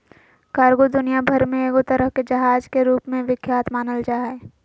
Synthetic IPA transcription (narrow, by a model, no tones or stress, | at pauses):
kaːɾɡod̪ʊnijabʱɐɾmẽeːɡot̪ɐɾəɦked͡ʒɐɦaːd͡ʒkeɾuːpmẽʋɪkʰjaːt̪maːnəld͡ʒaːɦɛ